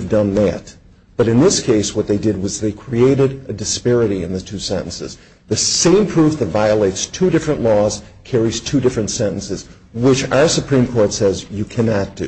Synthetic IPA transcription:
vdʌ̃nðæ̰t̚ | b̥ʌɾɨ̃nðɪskʰeɪswʌt̪̚ðeɪdɨd̚wʌzðeɪkʰɹ̥ieɪɾɨɾɨdɨspɛɹɨɾiɨ̰̃nðɨtʰʉsɛ̰̃ñn̩sɨ̰z | ðɨsẽɪ̃mpʰɹ̥ufðɨtvaɪəleɪtstʰʉdɪfɹɨ̃nʔlɔz̥ | kʰɛɹiz̥tʰʉdɪfɹɨ̃ntsɛ̃ɾ̃n̩sɨz | wɪt͡ʃa̰ʊə˞sɨpʰɹ̥ĩmkʰɔɹtsɛzjɨkʰænɑt̚d̥ʉ̰

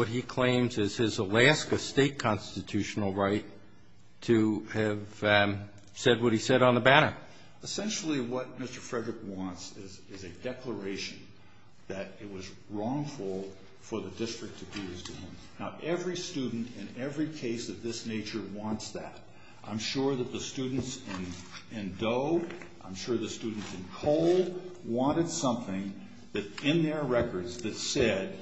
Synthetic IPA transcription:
wʌt̚hikʰl̥ẽɪ̃mzɪz̥ɪzəlæskɨsteɪt̚kʰɑ̃nstɨtʰʉʃn̩l̩ˠɹaɪtʰ | ɨɨv̥ | sɛd̚wʌt̚hisɛɾn̩ðəbæɾə˞ | əsɛ̃nʃl̩ˠiwʌt̚mɪstə˞fɹɛdɹɨkwɑ̃ntsɪz | ɪzɨdɛklə˞eɪʃɨ̃n̩ | ðɨɾɪt̚wʌz | ɹɔ̃ŋfl̩ˠ | fə˞ðɨdɪstɹ̥ɨk̚tʰɨdɨɨz̥tʰɨɪ̃m | naʊʔɛvɹistʉdⁿn̩tɨ̃nɛvɹikʰeɪsʌvðɪsneɪt͡ʃə˞wɑ̃ntsðɨ̰ɾ | ʔãɪ̃mʃʊɹðɨt̪̚ðɨstʉdⁿn̩tsɪ̃n | ɨ̃ndoʊʔãɪ̃mʃʊɹðɨstʉdⁿn̩tsɨ̃nkʰoʊlˠwɑ̃ɾ̃ɨd̥sʌ̃mθɪ̃ŋ | ðɨɾɪ̃nðə˞ɹɛkə˞dzðɨtsɛd̥̚

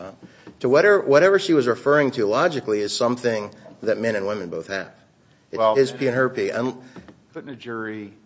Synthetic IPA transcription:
tʰɨwʌɾɛwʔʌɾɛvə˞ʃiwʌzɹɨfɜ˞ɪ̃ŋtʰɨlɑd͡ʒɨkliɨz̥sʌ̃mθɪ̃ŋðɨt̚mɛ̃ɾ̃ɨ̃nwɪ̃mɨ̃nboʊθhɨ̰v̥ | ɪz̥pʰiɨ̃nɦə˞pʰiɨ̰̃n | ʊnɨd͡ʒʊɹi

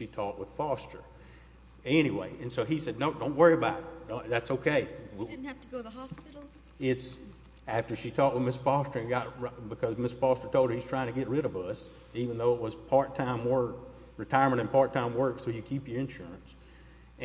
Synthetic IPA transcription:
ʃitʰɔk̚wəð̥fɔstə̰˞ | ɛñiwḛɪʔɨ̃nsoʊisɛdⁿnoʊdõʊ̃nʔwɜ˞iɨbaʊɾɨtðætsoʊkʰeɪæftɡoʊðəhɑspɪɾl̩ˠ | ɪts | æftə˞ʃitʰɔʔ̚wɨðmɪsfɔstə˞ɨ̃nɡɑt̚bɨkʰʌzmɪsfɔstə˞tʰoʊlˠdəhiz̥tʰɹ̥aɪɪ̃ŋtʰɨɡɛt̚ɹɪɾʌvʌs | ivɨ̃nðoʊət̚wʌz̥pʰɑɹtʰãɪ̃mwɜ˞k | ɹɨtʰaɪə˞mɨ̃ɾ̃ɨ̃npʰɑɹtʰãɪ̃mwɜ˞ksoʊjɨkʰipjə˞ɨ̃nʃʊɹɨ̃ns | ɨ̃

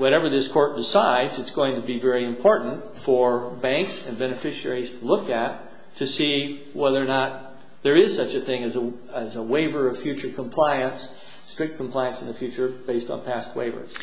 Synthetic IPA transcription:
wʌɾɛvə˞ðɪskʰɔɹt̚d̥ɨsaɪdzɨtsɡ̥oʊɪ̃ŋtʰɨbivɛɹiɨ̃mpʰɔɹʔn̩t | fə˞bæ̃ŋksɨ̃nbɛnɨfɪʃɛ̰ɹiz̥tʰəlʊkɨtʰ | ɨsi | wɛðə˞nət̪̚ | ðə˞ɪz̥sʌt͡ʃɨθɪ̃ŋɨzə | əzəweɪvə˞ʌv̥fjʉt͡ʃə˞kʰə̃mpʰl̥aɪɨ̃ns | tɹ̥ɪk̚t̚kʰm̩pʰl̥aɪɨ̃nsn̩ðɨfjʉt͡ʃə˞b̥eɪstn̩pʰæst̚wḛɪvə̰˞z̥

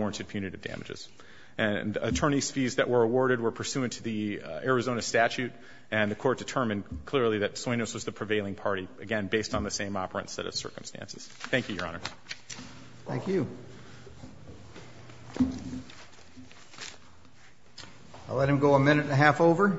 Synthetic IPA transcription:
ɔɹə̃ntʰɨd̚pʰj̥ʉ̃nɨɾɨvdæ̰mɨd͡ʒɨ̰z̥ | ʔɨ̃nɨ̰tʰɜ̃˞ñisfizðɨʔwə˞əwɔɹɾɨd̚wə˞pʰə˞sʉɨ̃ntʰɨðiɛɹɨzõʊnɨstæt͡ʃʉɾ | ɨ̃nðɨkʰɔɹt̚d̥ɨtʰɜ̃˞mɨ̃nkʰl̥ɪɹlˠiðɨtswɔ̃ɪ̃noʊswʌzðɨpʰɹ̥ɨveɪlˠɪ̃ŋpʰɑɹɾiɨɡɛ̃nbeɪstn̩ðɨsẽɪ̃mɑpə̰˞ɨ̰̃nsɛ̰ɾʌ̰v̥sɜ̰˞km̩stʰæ̰̃nsɨ̰z̥θæ̃ŋkjʉjə̰˞ɑ̰ñə̰˞ | θæ̃ŋkjʉ | aɪlɛt̚hɨ̃mɡoʊəmɪ̃nɨɾɨɦæfoʊvə˞

